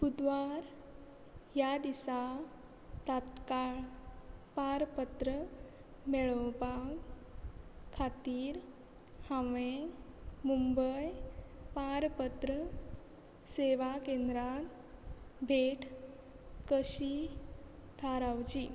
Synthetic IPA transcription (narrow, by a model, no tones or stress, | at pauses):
pud̪ʋaɾ | jad̪isa | t̪at̪kaɭpaɾpət̪ɾə | meɭəwpaɡ | kʰːat̪iːɾ | hãʋẽ | mumbəjpaɾpət̪ɾə | seʋakend̪ɾat̪ | bʱeʈʰ | kəɕi | d̪ʰʱaɾawd͡ʑi